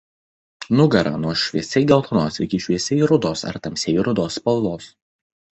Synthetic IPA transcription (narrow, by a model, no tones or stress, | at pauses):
nʊɡɐɾɐ̰ːnuɔʃʲʋʲiɛsʲɛɪɡʲɛlˠt̪ʰɔnoːsɪkʲɪʃʲʋʲiɛsʲɛɾʊd̪oːsɐ̰ɾt̪ɐmʲsʲɛɾʊd̪oːspɐlˠloːs